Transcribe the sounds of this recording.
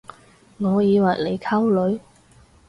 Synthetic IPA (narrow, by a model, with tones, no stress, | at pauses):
ŋɔː˨˧jiː˨˧wɐ˨˩jle˨jkʰa˥wlɵ˨˧ɥ